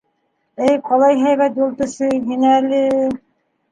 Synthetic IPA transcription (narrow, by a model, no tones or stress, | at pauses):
ɘjqɑlˠɑjɦæjβæt̪̚bulˠt̪ɤ̆sɤɦinælɘ